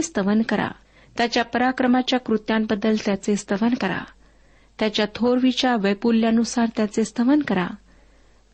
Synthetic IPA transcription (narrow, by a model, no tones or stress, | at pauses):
est̪əʋənkəɾa̰ | t̪jat͡ɕjapəɾakɾəmat͡ɕjakɾut̪jãmbəd̪ːəlt̪jat͡sest̪əʋənkəɾa̰ | t̪jat͡ɕjat̪ʰoɾʋit͡ɕaʋəpulːjanusaɾt̪jat͡sest̪əʋənkəɾa